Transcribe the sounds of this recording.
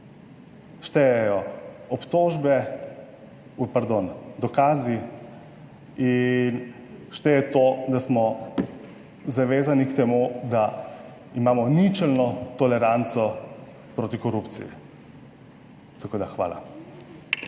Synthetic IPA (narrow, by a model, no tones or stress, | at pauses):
ʃt̪ɛjɛjɔɔpt̪oːʒbɛ | paɾd̪ond̪ɔkaːzi | in | ʃt̪ɛjɛt̪od̪asmɔ | zaʋeːzanikt̪ɛmud̪a | imaːmɔnit͡ʃɛlnɔt̪ɔlɛɾant̪sɔ | pɾoːt̪ikɔɾupt̪sḭjḭ | t̪akoːd̪axʋa̰ːla̰